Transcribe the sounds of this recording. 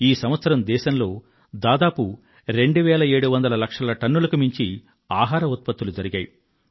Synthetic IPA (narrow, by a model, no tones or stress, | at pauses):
iːsɐmʋɐt̪sɐɾɐmd̪ɛːʃɐnlo̞ː | d̪aːd̪aːpu | ɾe̞ɳɖuʋɛːlɐe̞ːɽuʋɐnd̪ɐlɐlɐkʂɐlɐʈɐnːulɐkumiɲt͡ʃi | aːɦaːɾɐut̪̚pɐt̪ːulud͡ʒɐɾiɡa̰ːju